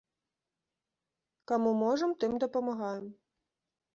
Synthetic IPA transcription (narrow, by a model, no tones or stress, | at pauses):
kamumɔʐɐmt̪ɨmd̪ɐpɐmaɣajɛm